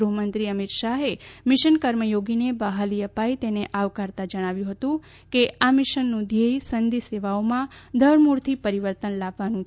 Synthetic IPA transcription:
ɾuɦmənt̪ɾiəmit̪ʃaɦemɪʃənkəɾməjoɡinebaɦaliəpajt̪eneʔaʋkaɾt̪ad͡ʒəɽ̃aʋjũɦət̪ũ | keamɪʃənːũd̪ʱeisənd̪iseʋaomãd̪ʱəɾmuɾt̪ʰipəɾiʋəɾt̪ənlabʋanũ

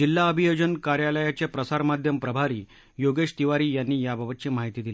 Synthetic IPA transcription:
d͡ʑilːaəbʱijod͡ʑənkaɾjaləjat͡ɕepɾəsaɾmad̪ʱjəmpɾəbʱaɾiː | joɡeʂt̪iʋaɾiːjanːiːjabʱəbət̪̚t͡ɕemaɦit̪iːd̪ili

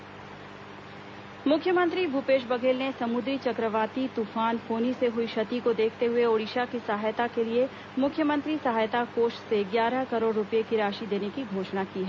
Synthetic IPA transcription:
mʊkʰːjəmə̃nt̪ɾibupeːʃ̬bɐɡeːlnesɐmʊd̪ɾit͡ʃɐkɾəʋaːt̪it̪uːfaːnfʰoːniseɦʊiʃɐt̪ikod̪eːkʰt̪eɦʊeoːɽiʃakisɐɦaːjt̪akelie | mʊkʰjəmə̃nt̪ɾisɐɦaːjt̪akoːʃseɡjaːɾəkɐɾoːɽɾʊpjekiɾaːʃid̪eːnekiɡʱoːʃnakiːɦɛ

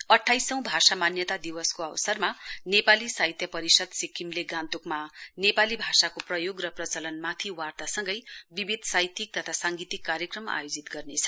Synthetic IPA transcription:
ʌʈʰːajsʌ̃w̃bʱasamanjʌt̪ad̪iwʌskoawsʌrmanepalisaɦit̪jʌpʌɾisʌd̪sikʰːimleɡãnt̪ukmanepalibʱasakoprʌjoɡrʌprʌt͡sʌlʌnmat̪ʰiwart̪asʌŋɡʌjbibid̪ʱsajt̪ik̚t̪ʌt̪ʰasaŋɡit̪ikːaɾjʌkrʌma̰jod͡zit̪ɡʌrnet͡sʰʌ̥

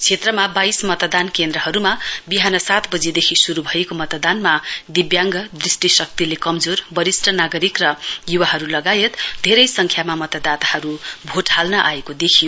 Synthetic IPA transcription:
t͡sʰet̪rʌmabajsmʌt̪d̪ankend̪ɾʌɦʌɾumabiɦanʌsat̪bʌd͡zid̪ekʰisuɾubʱʌjekomʌt̪d̪anmad̪ibjaŋɡʌd̪risʈisʌk̚t̪ilekʌmd͡zorbʌɾisʈʌnaɡʌɾikrʌjuwaɦʌɾulʌɡajet̪d̪ʱeɾʌjsʌŋkʰjamamʌt̪ʌd̪at̪ahʌɾubʱoʈʰalnʌʔa̰ekod̪ekʰijo

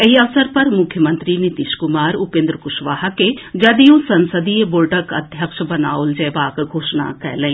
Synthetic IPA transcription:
eɦiɐʋsəɾpɐɾmʊkʰːjəmə̃nt̪ɾinit̪iʃkʊmaːɾupẽnd̪ɾəkʊʃʋaːɦaked͡ʒɐd̪ijũsɐnsəd̪iːebolɖəkɐ̰d̪ʱjəkʃbɐnaːold͡ʒɛːʋaːkɡʱoːʃna̰kɛ̰ləĩː

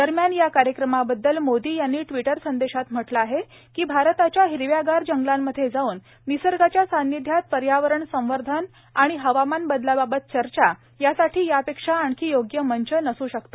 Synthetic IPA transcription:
d̪̥əɾmjanjakaɾjəkɾəmabəd̪ːəlmod̪iːjanːiːʈʋiʈəɾsənd̪eɕat̪m̤əʈləaɦe | kiːbʱaɾt̪at͡ɕjaɦiɾʋjaɡaɾd͡ʑəŋɡlamːəd̪ʱːjed͡zauːnː | isəɾɡat͡ɕjasanːid̪ʱjat̪̚pəɾjaʋəɾəɳsə̃w̃ʋəɾd̪ʱən | aɽ̃iɦəʋamanbəd̪lababət̪̚t͡ɕəɾt͡ɕa | jasaʈʰiːjapekʂaːɳkʰiːjoɡjəməɲt͡ɕənəsuːɕəkt̪o

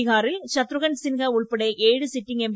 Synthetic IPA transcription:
ɪɣaːɾɪlt͡ʃɐt̪ːɾɯɣɐnsɪnɣɐʊɭpɐɽɐɪʔeːɻɯsɪʈːɪŋɡɛmb

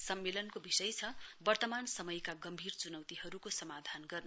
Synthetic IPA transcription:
sʌmːelʌnkobisʌjt͡sʰʌbʌrt̪ʌmansʌmʌjkaɡʌmbʱirt͡sunʌwt̪ihʌɾukosʌmad̪ʱanɡʌrnʌ

